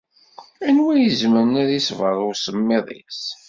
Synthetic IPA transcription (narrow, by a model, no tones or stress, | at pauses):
ænwæjəzmənæðisvəɾˤʊɾsəmːɪðˤḭs